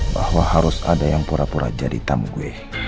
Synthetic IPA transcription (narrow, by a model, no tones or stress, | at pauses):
bahwahaɾʊsadajaŋpuɾapuɾa̰d͡ʒadit̪amɡue